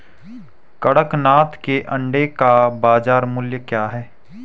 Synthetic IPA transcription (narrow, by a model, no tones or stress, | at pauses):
kəɽəknaːt̪keʔɐ̃ɳɖekabaːzaːɾmʊljəkjaːɦɛː